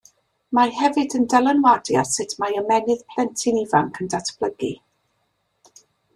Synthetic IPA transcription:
mahɛvɨdəndɛlˠənwadja̰sɪtʰmaəmɛnɨð̥pʰl̥ɛntʰɪnivaŋkʰəndatʰb̥ləɡi

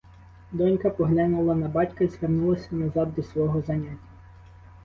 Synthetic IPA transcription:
d̪ɔnʲkɐpɔɦlʲanulˠɐnɐbɑtʲkɐizʋernulˠɐsʲɐnɐzɑd̪̚ːɔsʋɔɦɔzɐnʲatʲːɐ

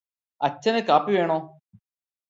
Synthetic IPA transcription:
ɐt͡ɕːɐnekaːpːiʋeːɳoː

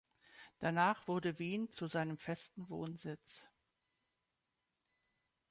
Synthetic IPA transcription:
d̥anaːχv̥ʊɐdəviːnt͡suzaɪnəmfɛstn̩voːnzɪt͡s

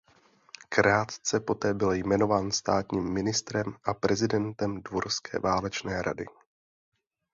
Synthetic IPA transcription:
kɾaːt̪t͡sɛpo̞t̪ɛːbɪljmɛno̞vaːnst̪aːt̪ɲiːmːɪnɪst̪ɾɛmʔapɾɛzɪdɛnt̪ɛmdvoɾskʰɛ̰ːvaːlɛt͡ʃnɛːɾa̰dɪ̰

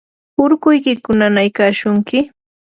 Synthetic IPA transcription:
ʊɾɢʊjkɪkʊnanajkaːʃʊŋkɪ

